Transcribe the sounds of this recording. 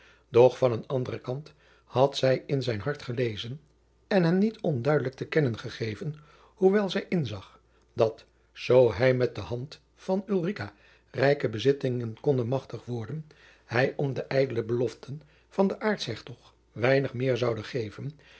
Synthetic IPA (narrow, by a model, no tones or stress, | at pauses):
dɔχfɑnənɑndərəkɑnt | hɑtsɛjɪnzɛjnɦɑɹtχəlejzən | ɛnɦɛnnitɔndœɥdələk̚təkɛnənχəχejvən | huʋɛlˠzɛjʔɪnzɑχ | d̥ɑt | z̥owɦɛjmɛt̚dəɦɑnt | fɑnylˠrika | rɛjkəbəzɪtɪŋənkɔndənmɑχtəχʋɔɹdən | hɛjʔɔmdəʔɛjdələbəlɔftən | v̥ɑndəʔaːɹtsɦɛχtɔχ | ʋɛjnəχmɪːɹzɑwdəχejvən